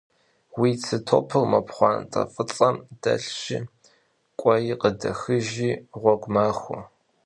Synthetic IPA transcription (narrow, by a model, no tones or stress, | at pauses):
wiːt͡sʰɨtʰopʰɨrmɐpχʷɑːntʼɐ̰fʼɨt͡sʼɐmd̥ɐ̰ɬɕɪ | kʷʼɔjiqədɐxɨʒiːʁʷɔɡʷmaːxʷʊ